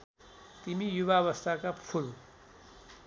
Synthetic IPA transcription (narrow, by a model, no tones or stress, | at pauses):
t̪imijuβaβʌst̪ʰakapʰul